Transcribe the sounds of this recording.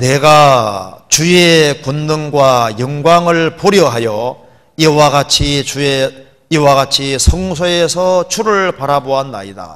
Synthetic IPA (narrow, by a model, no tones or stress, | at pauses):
ne̞ɡa | t͡ɕuekunːɯŋɡwajʌŋɡwaŋɯɭpoɾjʌɦajʌ | iwaɡat͡ɕʰiue | iwaɡat͡ɕʰisʰʌŋsʰoe̞sʰʌt͡ɕʰuɾɯɭpaɾaboɦanːa̰ida̰